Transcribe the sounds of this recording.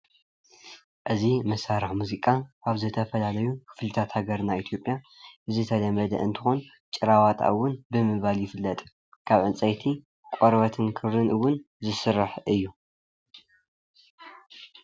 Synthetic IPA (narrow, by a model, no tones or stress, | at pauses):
ʔɨzimɐsaɾɨħmuzikʼaʔaβzɨt̪ʰɐfɐlalɐjukʰɨ̥flɨt̪ʰat̪haɡɐɾnait̪ʰjo̞pʼja | ʔɨzɨt̪ʰɐlɐmɐd̪ɐ̰ʔɨnt̪ʰɨ̥xon | t͡ʃʼɨɾawat̪ʼa̰ʔɨwːʊnbɨmɨβaljɪfɨlːɐt̪ʼ | kʰaβʕɨnt͡sʼɐjt̪ʰi | kʼoɾβɐt̪ʰɨnkʰɨβɾɨnɨwːʊn | zɨsɨraħʔɨjːu